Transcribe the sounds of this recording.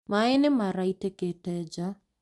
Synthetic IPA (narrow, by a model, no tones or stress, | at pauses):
maenemaɾaiteketɛd͡ʒa